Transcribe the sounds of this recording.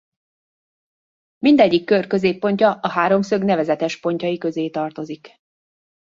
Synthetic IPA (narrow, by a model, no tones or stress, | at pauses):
mind̪ɛɟːikːørkø̞zeːpːo̞ɲcɒʔɒɦaːɾo̞msø̞ɡnɛvɛzɛt̪ɛʃpo̞ɲcɒjikø̞zeːt̪ɒrt̪o̞zik